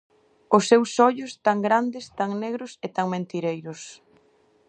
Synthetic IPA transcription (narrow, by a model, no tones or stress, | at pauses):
ʊsːewsɔʎʊst̪aŋɡɾand̪ɪst̪aŋneɣɾʊset̪aŋmẽnt̪iɾejɾʊs